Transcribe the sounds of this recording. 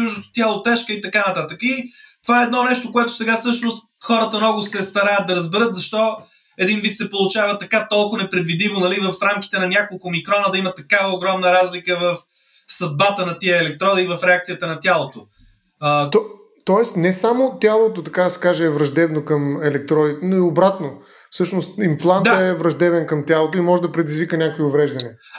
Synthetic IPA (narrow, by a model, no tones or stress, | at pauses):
t͡ʃuʒd̪ot̪ʊ̥t̪ʲjalˠot̪ɛʃkəit̪ɐkanɐt̪at̪əkit̪ovaɛɛːd̪nɔnɛʃt̪okoɛt̪ʊ̥sɛɡasɤʃnʊst̪xɔɾət̪əmnɔɡʊsɛst̪ɐɾajət̪̚d̪ɐɾəzbɛɾɤt̪zɐʃt̪ɔ | ɛd̪invit̪sɛpolˠʊt͡ʃavət̪ɐkat̪ɔlˠkʊnɛpɾɛd̪vid̪imonɐlivəfɾamkʲi̥t̪ɛnɐnʲjakolˠkʊmikɾɔnəd̪ɐimət̪ɐkavəoɡɾɔmnəɾazlikəvɐf | sɐd̪̚bat̪ənɐt̪iəɛlɛk̚t̪ɾɔd̪əivɐfɾɛak̚t̪ijət̪ənɐt̪ʲjalˠot̪o | t̪ɔ | t̪ɔɛsnɛsamot̪ʲjalˠot̪ot̪ɐkad̪ɐsɛ̥kaʒɛːvɾɐʒd̪ɛbnokɐmɛlɛk̚t̪ɾɔd̪it̪ɛnoiobɾat̪no | fsɤʃnost̪implˠand̪t̪əɛvɾɐʒd̪ɛbɛnkɐmt̪ʲjalˠot̪oimɔʒɛd̪ɐpɾɛd̪izvikənʲakoiʊvɾɛʒd̪ɐniɛ